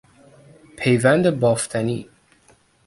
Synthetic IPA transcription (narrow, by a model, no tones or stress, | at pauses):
pʰejvænd̪əbɔft̪ʰanḭ